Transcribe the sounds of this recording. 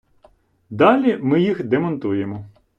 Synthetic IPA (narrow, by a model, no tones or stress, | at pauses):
d̪ɑlʲimɪjixd̪emɔnt̪ujemɔ